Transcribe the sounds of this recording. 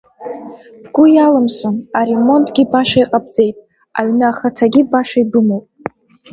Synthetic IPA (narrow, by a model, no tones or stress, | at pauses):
b̥ɡ̥ʷʊjalɨmsonaɾe̞mo̞ntʼɡʲibaʂaiqʼab̚d͡ze̞jtʼ | aɥnaχatʰaɡʲibaʂaibɨmowpʼ